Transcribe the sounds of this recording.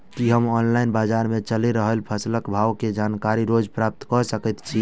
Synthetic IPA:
kiɦəmɔnlainbad͡ʒaɾmet͡ʃəliɾəɦəlpʰəsləkbʱawked͡ʒankaɾiɾod͡ʒpɾap̚t̪kɔsəkət̪t͡ʃʰi

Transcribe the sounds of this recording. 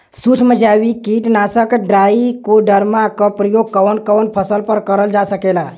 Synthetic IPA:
sut͡ʃʰməd͡ʒawikiʈnasəkɖɾaikoɖəɾmakɔpɾəjoɡ̚kɔnkɔwnpʰəsəlpəɾkəɾəld͡ʒasəkela

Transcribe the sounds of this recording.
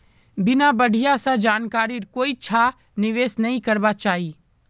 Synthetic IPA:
bɪnabɐɽ̤ʱijasãd͡ʒaːnkaːɾiɾkoːit͡ʃʰa | nɪʋeːsnɐɦĩkɐɾbat͡ʃaːɦiː

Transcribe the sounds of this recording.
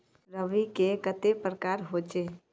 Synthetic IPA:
ɾəʋikekət̪epɾəkaːɾɦoːt͡ʃeː

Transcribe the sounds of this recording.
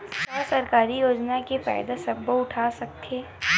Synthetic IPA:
sasɐɾkaːɾijoːd͡ʒnakefa̰ːjd̪asɐbːoʊʈʰaːsɐk̚t̪ʰeː

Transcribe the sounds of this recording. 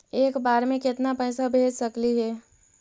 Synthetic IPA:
eːkbaːɾmẽkɪt̪napəɪsabʱeːd͡ʒsəkliɦɛː

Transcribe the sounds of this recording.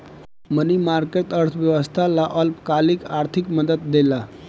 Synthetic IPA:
mənimaɾkeʈəɾt̪ʰʋjəʋəst̪ʰalaʔəlpkalikaɾt̪ʰikməd̪ət̪̚d̪ela

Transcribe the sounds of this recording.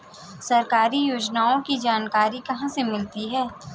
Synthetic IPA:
sɐɾkaːɾijoːd͡ʒnaːõkid͡ʒaːnkaːɾikɐɦãsemɪlt̪iɦɛː

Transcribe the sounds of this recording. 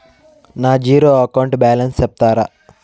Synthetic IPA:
naːd͡ʒiːɾoːɐkɐwɳʈbaːlɐnsɛp̚t̪aːɾa

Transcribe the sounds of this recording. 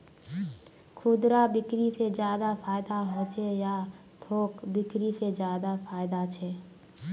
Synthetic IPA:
kʰʊd̪ɾabɪkɾised͡ʒjaːd̪apʰaːɪd̪aɦoːt͡ʃʰeja | t̪ʰoːkbɪkɾised͡ʒjaːd̪apʰaːɪd̪at͡ʃʰɛː

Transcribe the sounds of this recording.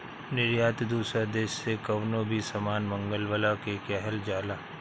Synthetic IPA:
nɪɾjaːt̪d̪uːsɾad̪eːʃsekɐʋnobʱisɐmaːnmɐ̃ŋɡəlwəlakeːkɛɦəld͡ʒaːlaː

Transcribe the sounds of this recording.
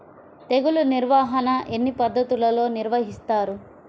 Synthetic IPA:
t̪e̞ɡuluniɾʋaːɦɐnɐʔenːipɐd̪ʱːɐt̪ulɐlo̞ːniɾʋɐɦist̪aːɾu

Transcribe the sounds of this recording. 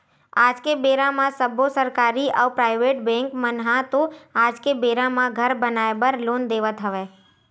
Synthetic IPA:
aːd͡ʒkebeɾãmãsəbʱosəɾkaɾiʔaupɾaɪʋeʈbɛ̃ŋkmənɦãt̪oaːd͡ʒkebeɾãmãɡʱəɾbənaebəɾloːnd̪eːʋət̪ɦəʋe

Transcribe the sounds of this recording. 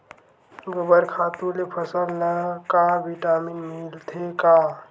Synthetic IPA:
ɡəbəɾkʰaːt̪ũlepʰəsəlnəkabiʈaːminmilt̪ʰeka

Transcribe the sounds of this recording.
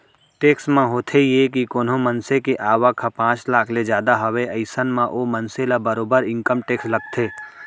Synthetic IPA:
ʈeːksmãɦoːt̪ʰejek̬ikoːnõmənsekeʔaːʋakʰːapãːt͡ʃlaːkʰled͡ʒjaːd̪aɦɐweəɪsənmãʔomənselabəɾoːbəɾɪ̃ŋkəmʈeːksləɡ̚t̪ʰeː

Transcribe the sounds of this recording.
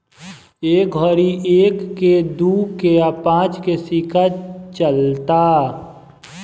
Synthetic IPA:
eːk̚ɡʱɔɾiʔeːkːed̪uːkeapãːt͡ʃkesikat͡ʃəlt̪aː

